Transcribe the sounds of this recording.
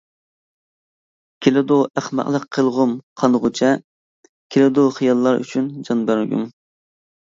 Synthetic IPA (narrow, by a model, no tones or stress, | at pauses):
kʲʰelɪd̪uʔæχmæ̰qlˠəqʰːəlˠʁʊmqʰɑnʁʊt͡ʃʰɛ | kʲʰelɪd̪uχijɑlˠːɑɾy̰t͡ʃʰynd͡ʒɑnbæɾɪɡʲṵŋ